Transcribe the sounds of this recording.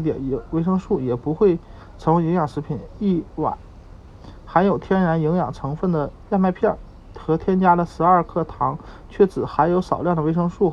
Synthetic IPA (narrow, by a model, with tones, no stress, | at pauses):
t̪jɛ̰˨˩n˧˥we˥ɪʂɤ˥ŋʂu˥˩jɛ˨˩pu˧˥xwe˥˩ɪ | t͡sʰɤ˧˥ŋ˥˧i˧˥ŋjɑ˨˩ŋʂɻ̩˧˥pʰi˨˩˦ni˥˩wa̰˨˩˦n | xa˧˥ɪjo˨˩ʊt̪ʰjɛ˥nɻa˧˥ni˧˥ŋjɑ˨˩ŋʈ͡ʂʰɤ˧˥ŋfə˥˩nd̪ə˩ja˥˧nma˥˧ɪpʰjɑ˥˩ | xɤ˧˥t̪ʰjɛ˥nt͡ɕja˥d̪ə˨ʂɻ̩˧˥ɐ˞˥˧kʰɤ˥˩t̪ʰɑ˧˥ŋ | t͡ɕʰɥɛ˥˩t͡sɹ̩˨˩xa˧˥ɪjo˧˥ʊʂɑ˨˩ʊljɑ˥˩ŋd̪ə˩we˥ɪʂɤ˥ŋʂu˥˩